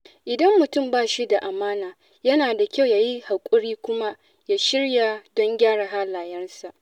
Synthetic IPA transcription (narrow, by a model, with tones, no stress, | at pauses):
ʔɪ˨dɐ˦mːʊ˨tʊ˦˨mbaː˦˨ʃi˦da˨ʔa˨maː˦naː˨ | jɐ˦naː˨da˨kʲa˦wjaː˨ji˦ha˨kʷʼʊ˦ɽiː˦kʷʊ˦ma˦ | ja˦ʃɪ˦ɽja˨dɔ˦ŋɡʲaː˦ɽa˨ɦaː˦laː˨jɐ˦rsa˨ʔ